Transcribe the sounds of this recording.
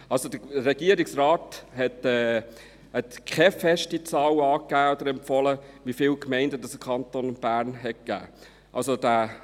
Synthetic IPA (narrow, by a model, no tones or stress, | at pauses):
ɑlsod̥̪əɾɛɡiəɾɪksɾɑːthɛtɛː | hɛtkʰɛfɛʃtit͡sɑːwɑːkːæːɔd̪əɾɛmpfɔləʋifɪːlkmɛɪndədɑsəkʰɑntoːnb̥æːɾnɦɛt̚kæ̰ː | ʔɑ̰lsod̥æː